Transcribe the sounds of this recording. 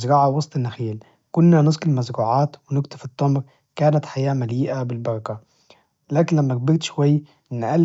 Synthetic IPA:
zɾɑʕawɑsˤt̪ˤɑnːaxiːl | kʊnːanʊsˤkɪlmazɾuːʕaːt̪wɪnʊkt̪ʊfɨt̪ˤːɑmɾ | kaːnat̪ħajaːmaliːʔabɪlbɑɾˤɑka | laːkɪnlæmːæɡ̚bɪɾt̪ʃwajː | ʔɪnːʔal

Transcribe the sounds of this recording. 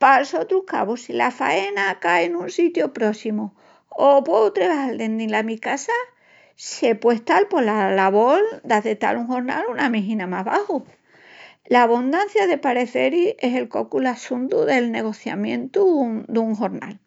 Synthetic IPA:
palsot̪ɾuka̰βosilafaenakaenũnsit̪jopɾo̞simu | opweðut̪ɾeβahald̪e̞nd̪ĩnlamikasa | se̞pwe̞ht̪alpo̞lalaβold̪aðet̪a̰luŋho̞ɾna̰lunamiɦĩnamaɦβahu | laːβund̪anθjaðepaɾe̞θe̞ɾiese̞lko̞kulasunt̪uðe̞lne̞ɣ̞o̞θja̰mjẽ̞̰nt̪ud̪uŋɦoɾna̰l

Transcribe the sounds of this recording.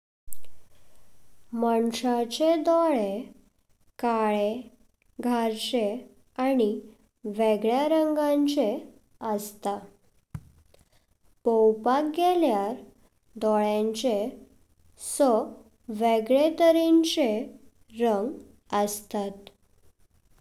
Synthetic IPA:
məɳʂat͡ɕed̪ɔɭe | kaɭe | ɡʱaɾt͡ɕe | ani | ʋeɡɭjaɾəŋɡãɲt͡ɕe | əst̪a | powpakɡeljaɾ | d̪ɔɭjãɲt͡ɕe | sɔ | ʋeɡɭet̪əɾint͡ɕe | ɾəŋɡ | əst̪at̪

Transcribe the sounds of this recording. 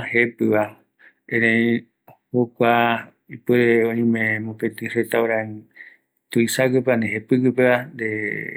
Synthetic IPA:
hepɨβa | ẽɾẽĩ | hokʷa | ipɨɾeõĩmẽmõpet̪ɨret̪aoɾã | t̪uisakɨpaneɦepɨkɨpeand̪e

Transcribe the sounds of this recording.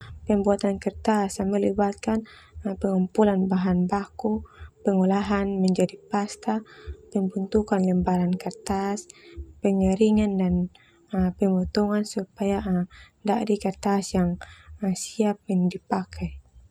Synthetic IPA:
pəmbuat̪ankərt̪asaməlibat̪̚kan | pɛŋumpulanbaɦanbakupəŋulaɦanmɛɲd͡ʒadipast̪apəmbunt̪ukanlɛmbaɾankart̪aspɛŋɛɾiŋandan | pəmɔt̪ɔŋansupajandaʔdikərt̪asjaŋsiap̚indipakʰaj

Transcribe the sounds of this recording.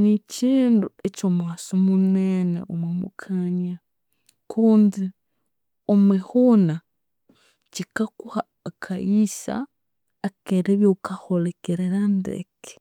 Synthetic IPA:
niciːnduecomwaːsomunenḛomwemṵkʰaɲa | kʰuːndi | omwehuna | cikakuhaːkʰaisa̰ː | keɾeβjokaholekeɾeɾandḛke̥

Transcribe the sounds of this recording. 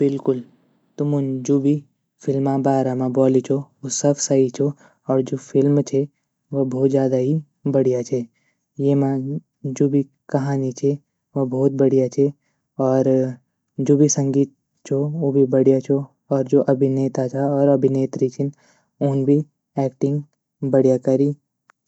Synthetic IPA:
bɪlkʊl | t̪ʊmʊnd͡ʒoːbʱi | fʰɪlmãbaːɾamãbɔːlit͡ʃʰoʋosɐbsait͡ʃʰo | ɔːɾd͡ʒoːfʰɪlmt͡ʃʰe | ʋobʱɔːt̪zjaːd̪aɦi | bɐɽijat͡ʃʰe | jemã | d͡ʒoːbʱi | kɐɦaːnit͡ʃʰe | ʋobʱɔːt̪̚bɐɽijat͡ʃʰe | ɔːɾ | d͡ʒoːbʱisɐ̃ŋɡiːt̪̚ | t͡ʃʰooːbʱibɐɽijat͡ʃʰo | ɔːɾd͡ʒoːʔɐbʱineːt̪at͡ʃʰaɔːɾɐbʱineːt̪ɾit͡ʃʰin | ʊnbʱi | ɛːkʈɪ̃ŋɡ | bɐɽjakɐɾiː

